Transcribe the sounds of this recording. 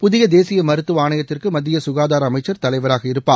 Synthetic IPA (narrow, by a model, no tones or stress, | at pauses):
pʊðɪjɐd̪eːsɪjɐmɐɾɯt̪ːɯʋaːnɐjɐt̪ːɪrkɯmɐd̪ːɪjɐsʊɣaːðaːɾɐmɐɪt͡ʃːɐɾt̪ɐlɐɪʋɐɾaːɣɐɪɾɯpːaː